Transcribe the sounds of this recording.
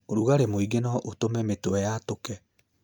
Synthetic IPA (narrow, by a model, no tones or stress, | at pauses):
oɾuɣaɾemoiɡenɔʔotomɛmetowɛjatokɛ